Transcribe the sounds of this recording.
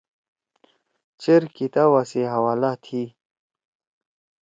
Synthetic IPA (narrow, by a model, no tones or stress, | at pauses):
t͡ɕeɾkit̪awaseɦawaːlat̪ʰi